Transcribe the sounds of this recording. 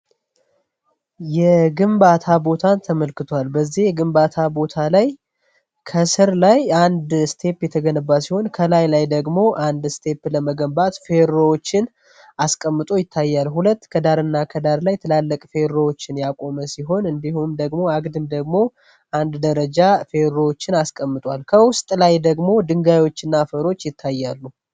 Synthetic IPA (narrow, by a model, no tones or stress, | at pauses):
jɛɡɨmbat̪ʰabo̞t̪ʰant̪ʰəməlkɨt̪ʰwalbəzːihjɛɡɨmbat̪ʰabo̞t̪ʰalaj | kʰəsɨɾlajand̪st̪ʰe̞pjɛt̪ʰəɡənəbːasiho̞nkʰəlajlajd̪əɡmo̞ʔand̪st̪ʰe̞pləməɡəmbat̪fe̞ɾowot͡ʃːɪn | askʼəmːɨt̪ʼujɪt̪ʰːajːalhulət̪ːkʰəd̪aɾɨnːakʰəd̪aɾlajt̪ʰɨlalːəkʼfe̞ɾowot͡ʃːɪnjakʼo̞məsiɦo̞nɨnd̪ihumd̪əɡmo̞aɡd̪ɨmd̪əɡmo̞ | ʔand̪d̪əɾəd͡ʒafe̞ɾowot͡ʃːɪnaskʼəmːɨt̪ʼwalkʰəwʊst̪ʼlajd̪əɡmo̞d̪ɨŋɡajo̞t͡ʃːɨnːafəɾo̞t͡ʃːjɪt̪ʰːajːalːu